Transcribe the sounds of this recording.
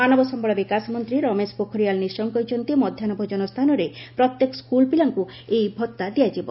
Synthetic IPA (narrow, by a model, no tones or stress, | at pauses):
manɔbɔsɔmbɔɭɔbikasmɔnt̪ɾiɾɔmespokʰɔɾijalnisɔŋkɔjt͡ʃɔnt̪iɔmɔd̪ʱjanɔbʱod͡ʒɔnɔst̪ʰanɔɾepɾɔt̪jekɔ̥skulpilaŋku | ejbʱɔt̪ːad̪ijad͡ʒibɔ̰n